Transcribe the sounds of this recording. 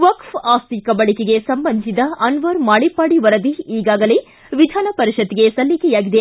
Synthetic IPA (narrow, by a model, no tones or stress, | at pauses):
ʋɐkfaːst̪ikɐbɐɭikeɡesɐmbɐnd̪isid̪ɐɐnʋɐɾmaːɭipaːɽiʋɐɾɐd̪iiːɡaːɡɐle | ʋid̪ʱaːnɐpɐɾiʃɐt̪ːiɡesɐlːikɛjaːɡid̪e